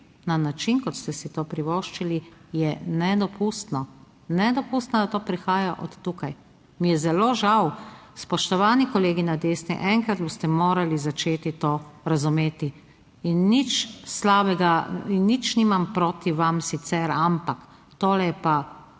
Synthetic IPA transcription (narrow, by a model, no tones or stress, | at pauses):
nanat͡ʃinkɔt̪st̪ɛsit̪oːpɾiʋoːʃt͡ʃilijɛnɛd̪ɔpʰust̪nɔ | nɛd̪ɔpust̪nɔd̪at̪oːpɾixaːjaʔɔt̪ːukaj | mijɛzɛloːʒawspɔʃt̪ɔʋaːnikɔleːɡinad̪eːsnɛ̰ʔɛŋkɾad̪̚boːst̪ɛmoːɾalizat͡ʃeːt̪it̪oːɾazumeːt̪iː | nːit͡ʃslaːbɛɡainːit͡ʃniːmampɾoːt̪iʋamsit̪sɛɾampak | t̪oːlɛpa